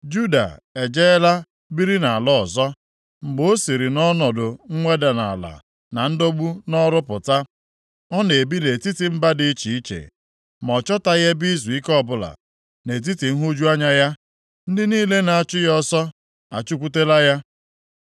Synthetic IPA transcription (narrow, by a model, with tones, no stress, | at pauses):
d͡ʒu˦da̰˨e˨d͡ʒe˦la˦ | bi˦ɾi˦na˨lɔ˦ɔ˨zɔ˦ | ŋ͡m̩˨ɡ͡bo˦o˦si˨ɾi˨nɔ˦nɔ˨dʊ˨ŋ̩˦ŋʷe˦da˨na̰˨la̰˨ | na˨n̩˦do˦ɡ͡bu˦nɔ˦ɾʊ˦pʊ˨ta˦ | ɔ˦ne˨bi˦le˨ti˦ti˨m̩˦ba˦di˦t͡ʃi˨i˦t͡ʃḛ˨ | m˨ɔ˨t͡ʃɔ˦ta˦ɣe˦bi˦zu˨i˦kɔ˦˨bʊ˦˨la̰˨ | ne˨t̬i˦ti˨ŋ̩˦ɦu˦d͡ʒu˦a˦ɲa˦ja˦ | n̩˦dɪ˦niː˦le˦na˨a˨t͡ʃʊ˦jɔ˦sɔ˦ | a̰˨t͡ʃu˦kʷu˦te˦la˦ja˦